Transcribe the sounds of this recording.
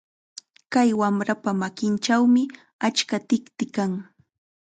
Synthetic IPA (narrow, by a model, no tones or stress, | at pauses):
kajwamɾapamakɪnt͡ʃawmɪ | at͡ʃkat̪ɪkt̪ɪkaŋ